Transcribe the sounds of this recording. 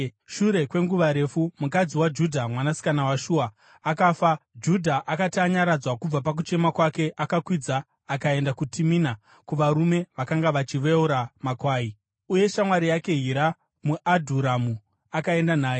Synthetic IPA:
ʃuɾe̞kwe̞ŋɡuʋaɾe̞fumukad͡ziwad͡ʒudʱamwanasi̥kanawaʃuːaː | kaːfad͡ʒudʱaʔakatiaɲaɾad͡zwakub͡vapak̬ut͡ʃe̞makwake̞ʔakakwid͡zaː | kae̞ndakutʰimina | kuʋaɾume̞ʋakaŋɡaʋat͡ʃiʋeuɾamakwaːi | uje̞ʃamwaɾijake̞ɦiɾa | muʔadʱuɾamu | akae̞ndanaːje

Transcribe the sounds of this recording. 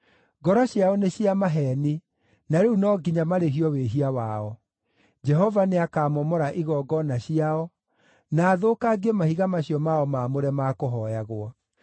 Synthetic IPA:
ɡɔɾɔɕjaɔneɕiamaɦɛni | naɾeunɔɡiɲamaɾeɦiɔweɦiawaɔ | d͡ʒɛɦɔvaneakaːmɔmɔɾaʔiɣɔɡɔnaɕiaɔ | naːðoːkaɡemahiɣamaɕiɔmaɔmaːmoɾɛmakoɦɔjaɣwɔ

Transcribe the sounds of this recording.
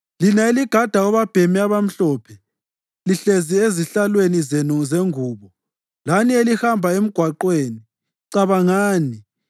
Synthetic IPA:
linaeliɡ̥ʱad̥ʱaɔβab̥ʱemiaβam̩ɬɔːpʰɛ | liɬezieziɬalwenizenuzeŋuːβɔ | lanielihambʱaem̩ɡ̥ʱwaǃweːni | ǀaβaŋaːni

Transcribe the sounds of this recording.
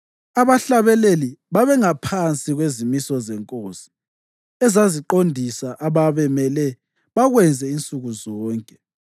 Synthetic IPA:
aβaɬaβɛleliβaβɛŋapʰant͡sʼiɣwezimisɔzɛŋkʼoːsi̥ | ɛzaziǃondʱisaʔaβaβɛmɛlɛ | βaɣwɛnd͡zʱɛint͡sʼuɣuzɔːŋkʼɛ

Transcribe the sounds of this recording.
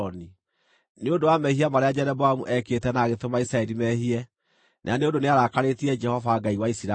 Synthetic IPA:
ɔni | neodowamɛhiamaɾead͡ʒɛɾɛbɔamuʔɛketɛnaːɣetomaisɾaɛɾimɛɦiɛ | nʔa̰aneondoneaɾakaɾetiɛd͡ʒɛhɔvaɡaiwaisiɾa

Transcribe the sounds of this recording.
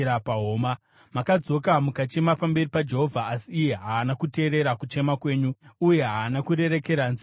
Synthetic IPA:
apaɦoːma | makad͡zo̞kamukat͡ʃe̞mapambe̞ripad͡ʒe̞ɦo̞vʱaːsiːje̞ɦaːnakute̞ːɾe̞ɾakut͡ʃe̞makwe̞ːɲuːje̞ɦaːnakuɾe̞ɾe̞ke̞ɾanzi

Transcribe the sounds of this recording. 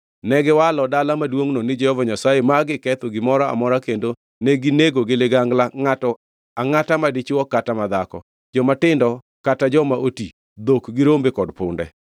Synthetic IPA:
nɛɡɪwalɔdalamadwoŋnonɪd͡ʒɛhɔvaɲasajemaɡɪkɛt̪oɡɪmɔɾɔa̰mɔɾakendo | neɡɪneɡoɡɪlɪɡaŋɡlaŋatɔ | aŋatamadɪt͡ʃɪwɔkatamad̪akɔ̰ | d͡ʒɔmatɪndɔ | katad͡ʒɔmaʔoti | d̪okɡɪɾombekɔdpʊ̰ndɛ̰

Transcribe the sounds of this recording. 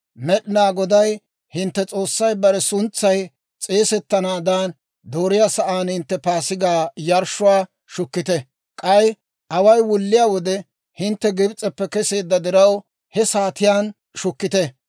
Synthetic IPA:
mɛɗɪnaːɡɔd̪ɐj | hɪnt̪ːɛt͡sʼo̞ːsːɐjbɐɾɛsʊnt͡sːɐj | t͡sʼeːsɛt̪ːɐnaːd̪aːn | d̪oːɾɪjaːsɐʔaːnhɪnt̪ːɛpaːsɪɡaːjɐɾʃʊwaː | ʃʊkːɪt̪ɛ | kʼɐj | ʔɐwɐjwʊlːɪjaːwɔd̪ɛ | hɪnt̪ːɛɡɪbt͡sʼɛpːɛkɛse̞ːd̪ːɐd̪ɪɾɐw | hɛsaːt̪ɪjaːn | ʃʊkːɪt̪ɛ

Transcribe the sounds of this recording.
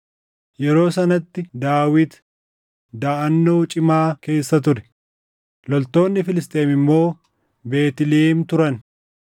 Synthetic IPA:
jɛɾo̞ːsɐnɐt̪ːɪd̪aːwɪt̪ | d̪aːʔɐnːoːt͡ʃʼɪmaːke̞ːsːɐt̪̬ʊɾɛ | lɔlt̪o̞ːnːɪfɪlɪst̪ʼe̞ːmɪmːo̞ː | be̞ːt̪ɪleːmt̪ʊɾɐn

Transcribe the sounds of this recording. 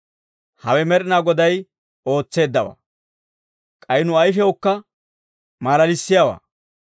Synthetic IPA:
hɐwɛmɛɾɪnaːɡɔd̪ɐj | o̞ːt͡sːe̞ːd̪ːɐwa̰ː | kʼɐjɪnʊɐjfɛwɔkːɐ | maːlɐlɪsːɪjawa̰ː

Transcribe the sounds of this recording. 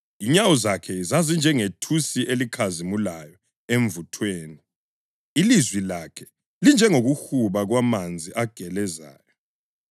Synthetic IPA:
iɲawuzakʰɛizazind͡ʒʱɛŋetʰusiʔelikʰazimulajɔ | eɱvutʰweːni | ilizwilakʰɛ̥ | lind͡ʒʱɛŋoɣuxuβaɣwamand͡zʱiʔaɡ̥ʱɛlɛza̰ːjɔ

